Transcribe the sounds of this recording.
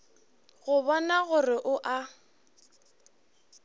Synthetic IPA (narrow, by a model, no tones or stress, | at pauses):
ɣʊbɔnaɣʊrɪʔʊʔa